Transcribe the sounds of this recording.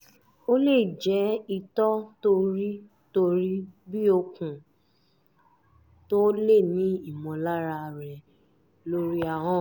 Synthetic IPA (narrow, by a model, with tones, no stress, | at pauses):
o˦le˦˨d͡ʒɛ˨˦i˧tɔ˦to˧ɾi˦ | to˧ɾi˦bi˦o˧kũ˨ | to˦le˦˨nĩ˨˦i˦˨mɔ̃˨la˦ɾa˧ɾɛ˨ | lo˦ɾi˦a˧ɦɔ̃˦˨